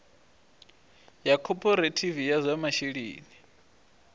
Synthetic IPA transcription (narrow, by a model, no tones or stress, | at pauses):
jakʰɔpʰɔɾetʰivijazʷamaʃiɺḭːni